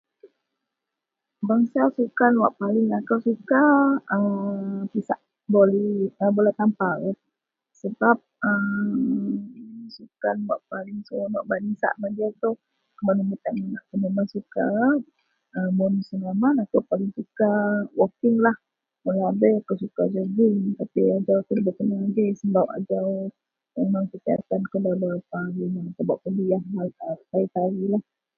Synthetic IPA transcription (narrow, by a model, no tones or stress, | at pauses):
baŋsasukanwaʔpalɪŋakawsukaəpisaʔ | bolɛəbolat̪ampa | səbap̚ə | sukanwaʔpalɪŋsuanwaʔbanisa̰ʔmad͡ʒat̪ow | kəmanəmit̪aŋənaʔkəmamansuka | əmɔnsəŋamanakowpalɪŋsukawɔkɪŋlah | məlaabɛak̪owsukad͡ʒəɡiŋt̪apiad͡ʒawt̪ələbət̪ənaaɡesəmbapa̰d͡ʒaw | memaŋkət̪ia̰t̪ankodadaapaɾinanak̪abaʔpədiahaət̪ait̪aɾilah